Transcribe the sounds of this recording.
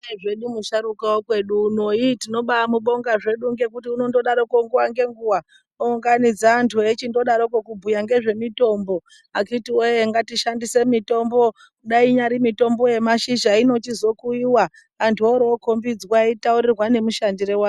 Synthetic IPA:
eʐe̞ɗumuʃaɾukawokwe̞ɗuːno̞itino̞ɓamuɓo̞ŋɡaʐe̞ɗuŋɡe̞kutiuno̞ndo̞ɗaɾo̞koŋɡewaŋɡe̞ŋɡuwa | ouŋɡanid͡zaːntʰuet͡ʃindo̞ɗaɾokokubʱujaŋɡe̞ʐe̞mito̞mbo̞ | akitiojeŋɡatiʃandise̞mito̞mbo | kuɗaiɲaɾimito̞mbo̞je̞maʃiʒaino̞t͡ʃizo̞kuiwa | antʰuoɾookombid͡zwaitauɾirwane̞muʃandiɾewa

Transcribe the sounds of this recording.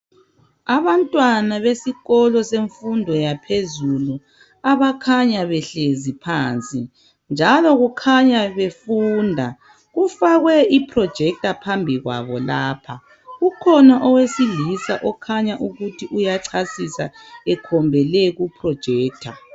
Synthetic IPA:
aβantʼwanaβesiɣɔlɔseɱfundʱɔjapʰezulu | aβakʰaɲaβɛɬezipʰaːnt͡sʼi | nd͡ʒʱalɔɣukʰaɲaβefuːndʱa | ɣufaɣwɛipʰrɔd̥ʒ̥ʱɛk̚tapʰambʱiɣwa̰βɔlaːpʰa | ɣukʰɔnaʔɔwesilisaʔɔkʰaɲaʔuɣutʰiʔujaǀʰasisa̰ɛkʰɔmbʱɛlɛɣupʰrɔd̥ʒ̥ʱɛːk̚tʰa̰

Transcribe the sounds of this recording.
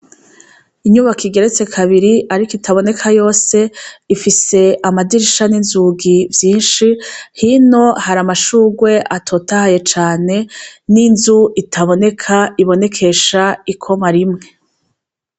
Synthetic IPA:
iɲuβakʰiɡe̞ɾe̞t͡se̞kʰaβiɾiʔaɾikitaβo̞ne̞kʰajo̞ːse̞ifise̞amadiɾiʃaninzuɡivjiːnʃihino̞haɾamaʃuːɡwe̞ʔatʰotahaje̞t͡ʃaːne̞ninzuitʰaβo̞ne̞kʰaiβo̞ne̞kʰe̞ʃaikʰo̞maɾimŋe̞

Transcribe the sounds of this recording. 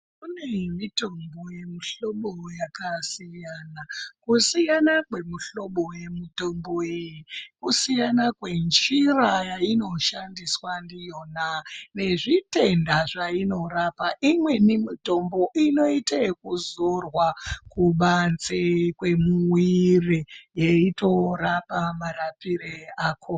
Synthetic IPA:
kunemito̞mbo̞jemiɬo̞ɓo̞jakasijanakusijanakwe̞muɬo̞ɓo̞je̞mito̞mboejikusijanakwe̞nd͡ʒirajaino̞ʃandiswandijo̞nane̞ʐite̞ndaʐaino̞rapaʔimwe̞nimito̞mbo̞ʔino̞itekuzorwakuɓant͡sekwe̞muwirejeito̞rapamaɾapiɾeaːkʰo

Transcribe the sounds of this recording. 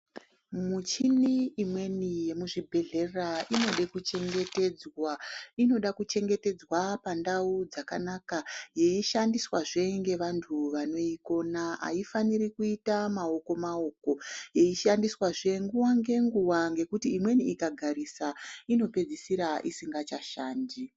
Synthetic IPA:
mut͡ʃiniimwe̞nije̞muʐibʱe̞ɮe̞raʔino̞ɗekut͡ʃe̞ŋɡe̞te̞d͡zwaino̞ɗakut͡ʃe̞ŋɡe̞te̞d͡zwapandaud͡zakanakaje̞iʃandiswaʐe̞ŋɡe̞ʋantʰuʋano̞iko̞naa̰ifanirikuitamao̞ko̞mao̞ko̞je̞iʃandiswaʐe̞ŋɡuwaŋɡe̞ŋɡuwaŋɡe̞kutiːmwe̞niikaɡʱaɾisaino̞pe̞d͡zisiɾaʔisiŋɡat͡ʃaʃaːndi

